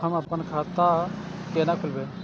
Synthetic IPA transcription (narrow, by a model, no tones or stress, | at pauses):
ɦəməpənkʰat̪a | kenakʰulbe